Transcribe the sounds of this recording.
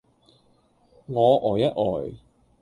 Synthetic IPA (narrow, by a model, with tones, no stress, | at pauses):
ŋɔː˨˧ʔɔː˨˩jɐ˦˥t̚ʔɔː˨˩j